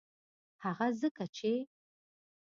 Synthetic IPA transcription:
aʁɐzɨkʰɐt͡ʃʰej

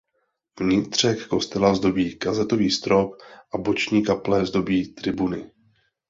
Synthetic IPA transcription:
vɲɪt̪r̝̥ɛkːo̞st̪ɛlazdo̞biːkazɛt̪o̞viːst̪ɾo̞kʔabo̞t͡ʃɲiːkaplɛzdo̞biːt̪rɪbunɪ

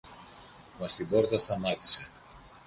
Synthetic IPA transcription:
mɐst̪iboɾt̪ast̪amat̪i̥se

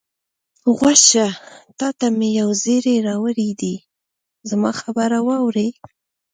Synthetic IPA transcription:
ɣwaʃat̪ɑt̪amejawzeɾeɾɑwəɾid̪i | zamɑxabəɾawɑwɾe

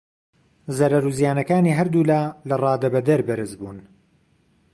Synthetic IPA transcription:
zɐɾɐɾuːzjaːnɐkaːniːɦɐɾd̪uːlaːlɐrˤɑːd̪ɐbɐd̪ɐɾbɐɾɨzbuːn

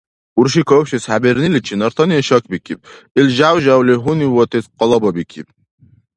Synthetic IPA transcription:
uɾʃikʰɔwpʃishabeɾnilit͡ʃʰinɔɾt̪ʰɔniɛʃɔk̚ʰbikʰʲib̚ | ilʒawʒawliɦuniwɔt̪ʰesqɔlˠɔbɔbikʰḭb̚

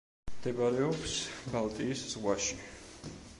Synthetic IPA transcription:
md̪ɛbaɾɛɔpsbalˠt̪ʼiːsz̥ʁwaʃi

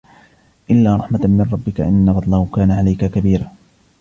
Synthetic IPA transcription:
ʔɪlːaːɾˤɑħmamɪnˤɾˤɑbːɪka̰ʔɪnːabɑd̪ˤlɑhʊkaːnaʕalajkakabiːɾaː

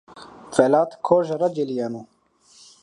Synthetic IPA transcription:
felaːt̪kʰoːʒɾɐd͡ʒelijanu

